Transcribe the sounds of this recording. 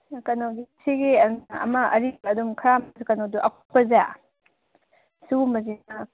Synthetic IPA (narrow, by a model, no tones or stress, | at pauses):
kɐnowɡisiɡiɐnɐ̰mɐʔɐɾibɐdumkʰɐɾamsukɐnowduʔɐkʰpɐza̰ | sumɐzinɐ